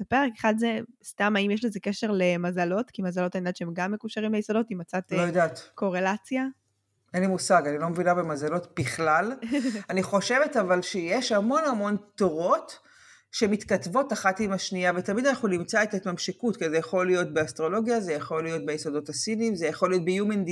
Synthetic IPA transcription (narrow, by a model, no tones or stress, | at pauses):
bepeʁekeχad̪zest̪amaimjeʃ̬lezekeʃe̞ʁlemazalo̞tkimazalo̞t̪andatt͡ʃeemɡamːekuʃaʁimlejisod̪o̞timat͡sat̪llojodaːt̪ko̞ʁelat͡sja | enlimusaɡanilo̞mevinabemazalo̞tbiχlalaniχo̞ʃe̞ve̞tavalʃejeʃhamo̞nhamo̞nt̪oʁo̞t̪ | ʃemit̪katvo̞taχatimaʃniavet̪amid̪anaχunimt͡saet̪et̪mamʃikutkizejaχo̞lijo̞t̪̚beast̪ʁo̞lo̞ɡjazejaχo̞lijo̞t̪̚bejisod̪o̞tasinimzejaχo̞lijo̞t̪̚bejumend̪i